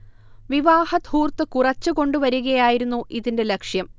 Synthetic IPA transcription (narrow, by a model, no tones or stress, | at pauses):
ʋiʋaːhɐt̪huːrt̪ːɨkurɐt͡ɕːɨko̞ɳɖuʋɐɾuɣɐjaːjiɾunːuʔiðinde̞lekʂjɐm